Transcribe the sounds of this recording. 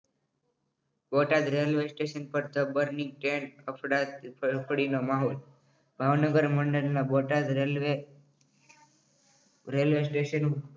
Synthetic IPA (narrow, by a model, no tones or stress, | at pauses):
boʈad̪ɾelʋesʈeʃənpəɾt̪əbəɾniɡ̚ʈenəpɽapʰəɽinomaɦol | bʱaʋnəɡəɾməɳɖəɾnaboʈad̪ɾelʋe | ɾelʋesʈeʃən